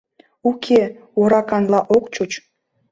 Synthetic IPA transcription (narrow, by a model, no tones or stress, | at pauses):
ukʰeoɾɑkɑnlɑʔokt͡ɕut͡ɕ